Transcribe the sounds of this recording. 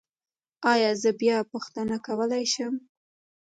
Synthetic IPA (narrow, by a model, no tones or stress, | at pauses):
ɑjɑzəbjɑpuxt̪anakawəlajʃəm